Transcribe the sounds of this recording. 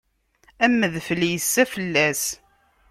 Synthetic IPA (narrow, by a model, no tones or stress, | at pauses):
æmːəðfəljəsːæfəlːæs